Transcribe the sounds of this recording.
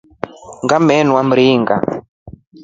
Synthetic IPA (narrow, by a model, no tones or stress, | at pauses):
ŋɡamɛnwam̩ɾiːŋɡa̰